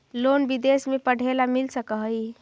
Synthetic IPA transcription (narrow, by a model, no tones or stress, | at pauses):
lonbid̪esmepəɽ̤ʱelamilsəkəɦəj